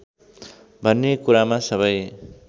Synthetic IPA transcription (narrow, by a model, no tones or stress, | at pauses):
bʱʌnːekuɾamasʌβʌj